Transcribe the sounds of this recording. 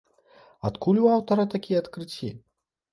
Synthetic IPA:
a̰t̪kʰulʲuawt̪ɐɾɐt̪akʲijɛat̪kɾɨt͡sʲːi

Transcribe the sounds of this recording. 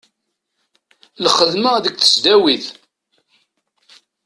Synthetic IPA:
lχəðməðək̚ːθə̥sd̪æwið

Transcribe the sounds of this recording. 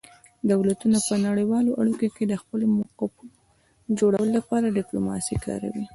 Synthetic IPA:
d̪awlat̪unapənaɽəjwɑloʔaɽikoked̪əxpəlomʊqapu | d͡ʒoɽawəlolːapɑɾaɖɪplomɑ̰sikɑ̰ɾa̰wi

